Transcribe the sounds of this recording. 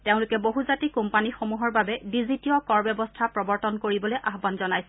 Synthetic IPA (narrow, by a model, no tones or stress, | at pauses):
teʊ̃lʊkɛboɦuzatikumpanixomuɦɔɹbabɛdizitiɔkɔɹbɛbɔstʰapɹɔbɔɹtɔnkoɹibɔlojʔaɦbanzɔnajsɛ